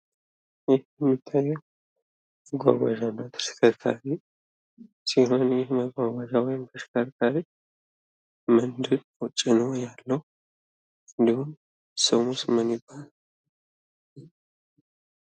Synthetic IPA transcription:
jɪhjɛmːit̪ʰːajːɛw | məɡʷa̰ɡʷa̰d͡ʒanːəwt̪ʰə̥skʰəɾk̪ʰa̰ɾi | siɦo̞njɪhməɡʷaɡʷad͡ʒawɔjɪmt̪ʰəsɨ̥kʰəɾk̪ʰaɾi | mɨnd̪ɨɾ | ɔt͡ʃʼɪnəwjalːəhu | ɨnd̪ihum | səwmusmənjɪbːala

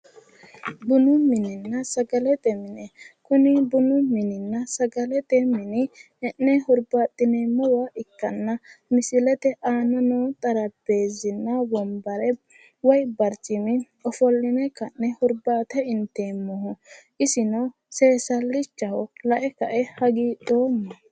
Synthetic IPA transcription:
bʊnʊmɪnɪnːɐsɐɡɐlɛt̪ʼɛmɪnɛkʊnɪbʊnʊmɪnɪnːɐsɐɡɐlɛt̪ʼɛmɪnɪ | ɛnːɛhʊɾbaːt̪ʼːɪnemɔwaʔɪkːɐnːɐmɪsɪlɛt̪ɛʔaːnɐnɔːt̪ʼɐɾɐbe̞ːzɪnːɐbɔmbɐɾɛ | wɔjbɐɾt͡ʃʼɪmɪ | ɔfɔlːɪnɛkɐnːɛhʊɾbaːt̪ɛɪnt̪ːeːmːɔɦɔʔɪsɪnɔ | se̞ːsɐlːɪt͡ʃːɐhɔlɐʔɛkɐʔɛhɐɡiːɗoːmːɐ

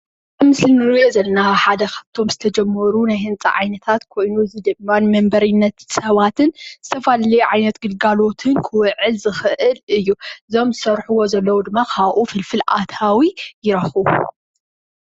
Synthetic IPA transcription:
ɨmɨslinɨɾjozɐlnaħad̪ɐkʰaβt̪ʰo̞mzɨt̪ʰɐd͡ʒɐmːɐɾunajhɨnt͡sʼɐ̰ʕa̰jnɐt̪ʰat̪kʰo̞jnuɨzɨd̪ɨmːanɨmɐmbɐɾinːɐt̪sɐβat̪ʰɨnzɨt̪ʰɐfalɐlɐjʕajnɐt̪ɡɨlɡalo̞t̪ʰɨnkʰɨwɨʕɨlzɨxɨʔɨlɨjːuɨzo̞mzɨsɐɾħuwo̞zɐlːɐwud̪ɨmːakʰaβʔufɨlfɨlʔa̰t̪ʰawijɪɾɐxu

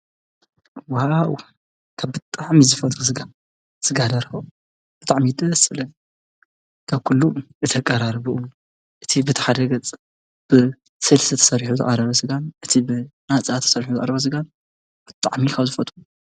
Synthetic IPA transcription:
waw | kʰaβbɨt̪ʼaʕmizɨfɐt̪ʼus̬ɨɡa | sɨɡad̪ɐɾxɐ | b̥ɨt̪ʼaʕmid̪ʼɐsɨlɐn | kʰaβkʰulːuɨt̪ʰɐkʼːɐɾaɾbɨʔum | ʔɨt̪ʰibɨt̪ʰḁħad̪ɐɡɐt͡sʼ | b̥ɨ | sɨlsɨt̪ʰɐ̥sɐɾiħuzɨ̰ʔʼaɾɐβɐsɨɡanʔɨt̪ʰibɨnat͡sʼat̪ʰɐ̥sɐɾħuzɨʔʼɐɾɐβɐs̬ɨɡan | b̥ɨt̪ʼaʕmikʰɐβzɨfɐt̪ʼu

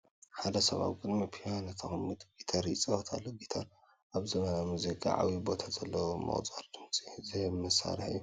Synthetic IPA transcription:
ħad̪ɐsɐβa̰βɡɨd̪mipʰianɨt̪ʰɐxɨmːɨt̪ɡ̥it̪ʰɐɾjit͡sʼɐwɐt̪ʰalːoɡit̪ʰɐɾ | ʔaβzɨmɐnamuzikʰa̰ʕa̰wibo̞t̪ʰazɐlːɐwomɐ̰χʼt͡sʼaɾd̪̥ɨmt͡sʼizɨmɨsa̰ɾħijːu

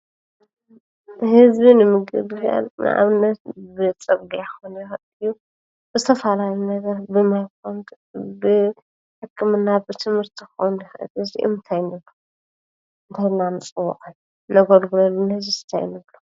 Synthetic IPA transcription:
hɨzbinɨmɨɡɨbɨħja̰lnɨ̰ʔa̰βɨnːɐt̪bɨt͡sʼɐbɡiakxonjɛxʔɨjːu | b̥ɨzɨt̪ʰɐfalalinɐɡɐɾbɨmajk̚ʰont̪ | bɨ | ħɨkʰːɨmɨnːabɨt̪ʰɨmhɨɾt̪ʰikxownjɪxʔɨ̰lɨzḭʔɨ̰mɨt̪ʰajnɨβlːu | nt̪ʰanːamɨt͡sʼɨwːṵʔʼajːu | nɐɡolɡulɐlːunhɨzisɨ̥t̪ʰa̰jnɨβlu

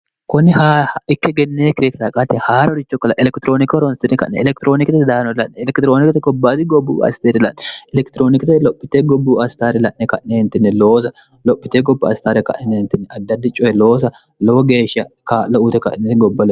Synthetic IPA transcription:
kʊnːɪhaːɪkːɛɡɛnːeːkɪɾekɐɾɐkʼat̪ːɛhaːɾɐɔɾɪt͡ʃːɔkːɐlɐʔɛlɛkt̪ɪɾo̞ːnɪkɔɾɔnst̪ɪnɛkɐ̰ʔnɛ̰ɛlɛkt̪ɪɾoːnɪkɪt̪ɛd̪aːnɔlɐʔɛɛlɛkt̪ɪɾoːnɪkt̪ɛɡɔbːaːt̪ɪɡɔbːṵːɐ̰st̪eːɾɪlɐnːɛɛlɛkt̪ɪɾoːnɪkɪt̪ɛlɔpːɪt̪eːɡɔbːuːɐst̪aːɾɛlɐʔːɛkɐʔneɪnt̪ɪnːɛloːsɐ | lɔpːɪt̪eːɡɔbːɐɐ̰st̪aːɾɛkɐ̰ʔɛnːɛnt̪ɪnːɛʔɐd̪ːɐd̪ːɪt͡ʃʼɔɛloːsɐ | loɡeːʃɐkalɐʔuːt̪ɛkɐ̰ʔnɛtɡɔbːɐl

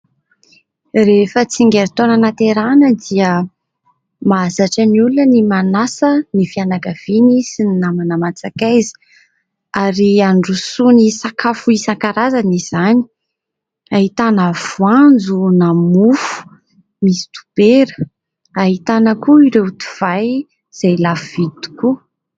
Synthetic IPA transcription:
refət͡siŋɡeɾt̪onənat̪eɾanəd̪iə | mazaʈ͡ʂaniulunənimanasənifianaɡav̥inisinnamanamat͡sakajzi̥ | aɾiaɳɖ͡ʐusunisakafuisaŋkaɾazaniz̥ani̥ | aɦit̪anəv̥uand͡zunamufu̥ | misi̥t̪u̥b̥eɾə̥ | aɦit̪anəkuiɾet̪u̥v̥aj | z̥ajlafuvid̪u̥ku

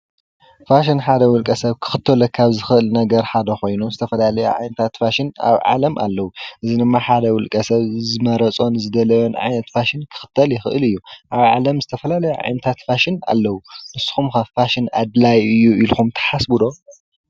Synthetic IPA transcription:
faʃ̬ɪnħad̪ɐwʊlkʼɐsɐβkʰɨ̥xɨt̪ʰːɐlɐkʰaβzɨxɨʔɨlnɐɡɐɾħad̪ɐxo̞jnuzɨt̪ʰɐfɐlalɐjṵʕa̰jnɐt̪ʰat̪faʃɪna̰βʕa̰lɐmʔa̰lːɐwuʔɨzid̪ɨmːaħad̪ɐwʊlkʼɐsɐβzɨmɐɾɐt͡sʼo̞nzɨd̪ɐlɐjonʕa̰jnɐt̪faʃɪnkʰɨ̥xɨ̥t̪ʰːɐljɪxɨ̰ʔɨlɨjːuʔaβʕa̰lɐmzɨt̪ʰɐfɐlalɐjuʕa̰jnɐt̪ʰat̪faʃɪna̰lːɐwunɨsːɨ̥xumkafaʃɪna̰d̪lajɨjːuʔilxumt̪ʰɐ̥ħasbud̪o̞

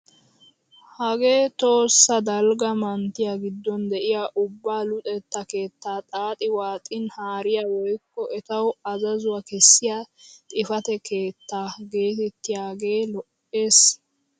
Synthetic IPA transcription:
hɐɡe̞ːt̪o̞ːsːɐd̪ɐlɡɐmɐnt̪ːɪjaɡɪd̪ːɔnd̪ɛʔɪjaʔʊbːaːlʊt̪ʼɛt̪ːɐke̞ːt̪ːaːt̪ʼaːt̪ʼɪwaːt̪ʼɪnhaːɾɪjawɔjkːɔʔɛt̪ɐwɐzɐzʊwɐkɛsːɪjat̪ʼɪfɐt̪ɛke̞ːt̪ːaːɡe̞ːt̪ɛt̪ːɪjaːɡe̞ːlɔʔːe̞ːs

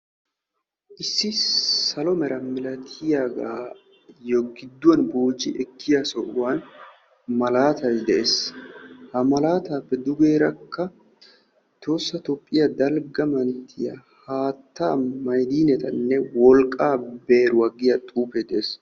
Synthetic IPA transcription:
ʔɪsːɪsɐlɔmɛɾɐmɪlɐt̪ʰɪjaːɡaː | jɔɡɪd̪ːʊwɐnboːd͡ʒɪʔɛkːɪjasɔʔʊwan | mɐlaːt̪ɐjd̪ɛʔeːs | hɐmɐlaːt̪aːpːɛd̪ʊɡe̞ːɾɐkːɐ | t̪o̞ːsːɐt̪ɔpʼːɪjɐd̪ɐlɡɐmɐnt̪ʰːɪjɐ̰ | haːt̪ːa̰ːmɐjd̪iːnɛt̪ɐnːɛwɔlkʼːaːbeːɾʊwɐɡɪjɐt̪ʼuːped̪ɛʔeːs

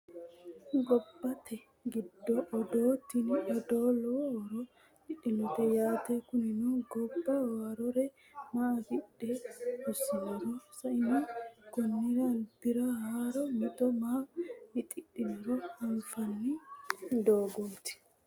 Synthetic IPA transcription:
ɡɔbːɐt̪ʰɛ | ɡɪd̪ːɔʔɔd̪oːt̪ɪnʔɔd̪oːlɔwɔɾɔ | t̪ɪɗɪnʊt̪ɛjaːt̪ɛkʊnɪnɔɡɔbːɐwaːɾɔɾɛ | maɐɡɪɗːɛʊsːɪnɛɾɔsɐʔɪnɔkɔnːɪɾɐnd̪̥ɪɾɐhaːɾɔmɔt̪ɔmaːmɪt̪ʼɪɗɪnʊɾɔɐnfɐnːɪd̪oːɡoːt̪ɪ̥

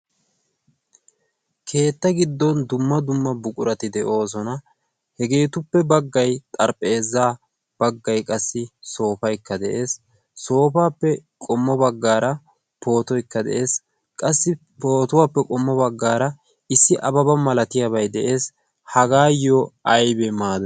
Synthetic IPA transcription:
kʰe̞ːt̪ːɐɡɪd̪ːɔnd̪ʊmːɐd̪ʊmːɐbʊkʼʊɾɐt̪ɪd̪ɛʔo̞ːs̬ɔnɐ | hɛɡe̞ːt̪ʊpːɛbɐɡːɐjt̪ʼɐɾpʼːe̞ːzːaː | b̥ɐɡːɐjkʼɐsːɪso̞ːfɐjkːɐd̪ɛʔe̞ːsː | o̞ːfaːpːɛkʼɔmːɔbɐɡːaːɾɐ | po̞ːt̪ɔjkːɐd̪ɛ̰ʔe̞ːs | kʼɐsːɪ | po̞ːt̪ʊwaːpːɛkʼɔmːɔbɐɡːaːɾɐ | ɪsːɪʔɐbɐbɐmɐlɐt̪ɪjaβɐjd̪ɛʔe̞ːs | hɐɡaːjɔʔɐjbɛmaːd̪

